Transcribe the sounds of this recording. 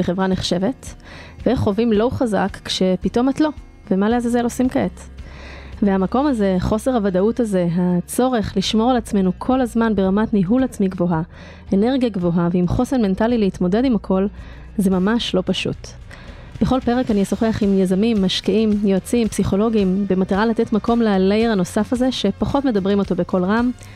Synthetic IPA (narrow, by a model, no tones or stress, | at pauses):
beχe̞vʁaneχʃe̞ve̞t | veeχːo̞vimlo̞uχaza̰kːʃe̞pito̞matlo̞ | vemaleazazelosimkaet | veamako̞maze̞χo̞se̞ʁhavadautaze̞ɦat͡so̞ʁe̞χliʃmo̞ʁalat͡sme̞nukʰo̞lazmanbe̞ʁamatniɦulat͡smiɡvo̞ɦa | ene̞ʁɡijaɡvo̞ɦaveimχo̞seʁme̞ntalileit̪mo̞de̞dimakʰo̞l | ze̞mamaʃlo̞paʃṵt | b̥eχo̞lpe̞ʁekaniasoχeaχimjazamimːaʃkiimjoat͡simpsiχo̞lo̞ɡimbemataʁalatetmako̞mlealejeʁano̞safaze̞ʃe̞paχo̞tme̞dabʁimo̞to̞bekʰo̞lʁam